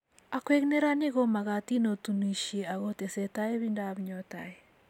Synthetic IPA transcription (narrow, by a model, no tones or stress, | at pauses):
akweɣneɾanɪɣomaɣatinotuniʃeaɣotesɛtaeβindaβɲɔtae